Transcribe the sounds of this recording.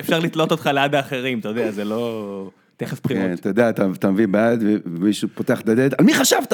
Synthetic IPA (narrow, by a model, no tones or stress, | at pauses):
efʃaʁlit̪lo̞t̪o̞t̪χalead̪aːχe̞ʁimt̪ajod̪eazelo̞ | t̪eχefpχikoenat̪ajod̪eaːt̪at̪amevibad̪veemiʃupot̪eaχd̪ad̪ed̪almiχaʃavt̪a